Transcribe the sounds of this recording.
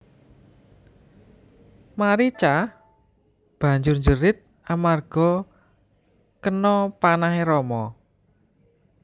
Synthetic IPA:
maɾit͡ʃah | b̥ä̤ɲd͡ʒʊrɲd͡ʒəɾɪt̪̚ | ʔamarɡ̥ɔ̤ | kənɔpanaɦeɾɔmɔ

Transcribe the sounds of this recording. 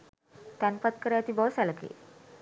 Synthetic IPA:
t̪anpət̪̚kəɾjat̪ibɔsɛləkḛ

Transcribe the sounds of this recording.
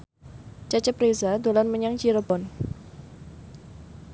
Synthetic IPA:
t͡ʃat͡ʃəprezadolanməɲaŋt͡ʃiɾəbɔn

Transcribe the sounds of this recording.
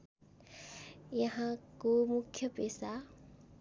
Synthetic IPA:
jɐɦãkomʊkʰːjəpeːsa

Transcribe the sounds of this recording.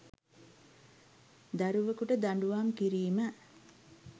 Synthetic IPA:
d̪aɾuʋəkuʈəd̪aɳɖuʋaŋkiɾiːmə

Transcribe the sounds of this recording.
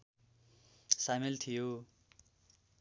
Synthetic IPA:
samelt̪ʰijo

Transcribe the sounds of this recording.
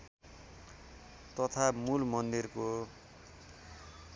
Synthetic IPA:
t̪ʌt̪ʰamulmʌnd̪irko

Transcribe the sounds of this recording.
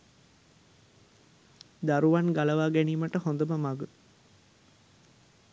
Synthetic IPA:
d̪aɾuʋanɡaləʋaːɡæniːməʈəhond̪əməmaɡə

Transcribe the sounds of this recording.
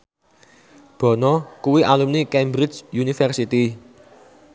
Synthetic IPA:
b̥ɔ̤nɔkuwiʔalumnikɛmbɾɪd͡ʒjunifɛrsit̪i

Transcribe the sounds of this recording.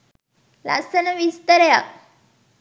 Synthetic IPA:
la̰sənəʋist̪əɾja̰

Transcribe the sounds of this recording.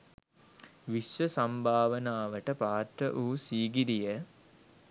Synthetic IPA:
ʋiʃʋəsambʱaːʋənaːʋəʈəpaːt̪ɾəʔuːsiːɡiɾijə

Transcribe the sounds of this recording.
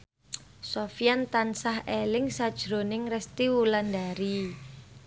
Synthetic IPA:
sofijant̪ansahelɪŋsad̥ʒ̥ɾonɪŋrɛst̪iwulandaɾi

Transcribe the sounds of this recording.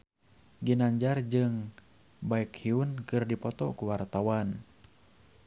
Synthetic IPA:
ɡinaɲd͡ʒard͡ʒɨŋ | baɛkhiunkɨrdipɔt̪ɔ̰kuwart̪awan

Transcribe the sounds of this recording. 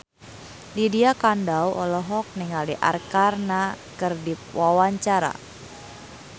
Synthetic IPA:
lidiakandawʔɔlɔɦɔk̚niŋaliʔa̰rkarnakərdip̚wawaɲt͡ʃaɾa̰

